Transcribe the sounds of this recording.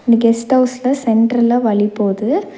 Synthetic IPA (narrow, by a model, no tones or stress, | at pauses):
ɪnd̪ɐɡɛsʈhɐʊslɐsɛɳʈɾɐlaːʋɐɭɪpːoːðɯ